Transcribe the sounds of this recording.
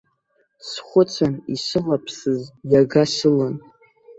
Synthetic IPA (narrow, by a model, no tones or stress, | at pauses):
sχʷʊt͡sʷʰaniʃʷɨlapʰsɨzjaɡaʃɨlɨn